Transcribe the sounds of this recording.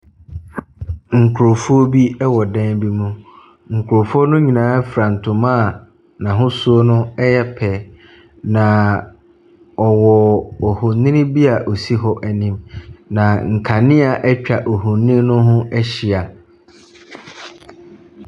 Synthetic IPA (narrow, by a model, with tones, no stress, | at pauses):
ŋ̩˨kʰʊ˨ɾo˨fu˦ɔ˦bi˦ɛ˦wɔ˨dɛ̃˦nbi˦mũ˦ | ŋ̩˨kʰʊ˨ɾo˨fu˦ɔ˦nʊ̃˦ɲĩ˨nãː˨˦fɾã˨n̩˨tʰʊ̃˨mã˦˨ | nã˨ɦʊ̃˦su˦o˦nʊ̃˦ɛ˦jɛ˦pʰɛ˨ | nã˨ | ɔ˨wɔ˨ɔ˨hʊ˨nɪ̃˦nɪ̃˦bi˦a˨ʔo˨si˦ɦɔ˦ʔæ˨nĩ˦mnã˨ŋ̩˨kʰa˨nɪ̃˦a˨ʔɛ˦t͡ɕᶣa˨ʔo˨ɦũ˨nɪ̃˦nʊ̃˦ɦʊ̃˦ʔɛ˦ɕi˨a˨